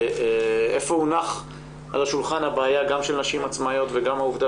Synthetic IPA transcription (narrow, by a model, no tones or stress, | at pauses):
ʔefo̞unaχ | a̰laʃulχanhabaːjaɡamʃelnaʃimat͡smajo̞t̪veɡamauvda